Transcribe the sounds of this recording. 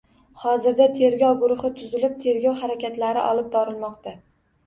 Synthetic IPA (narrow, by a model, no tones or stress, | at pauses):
hɒzɪɾd̪at̪ʰe̞ɾɡʲɒwɡʊɾʊχɪt̪ʰʊzɪlɪp̚t̪ʰe̞ɾɡʲɒwhaɾakʲat̪laɾɪ̰ʔɒlˠɪp̚bɒɾɪlˠmɒqt̪a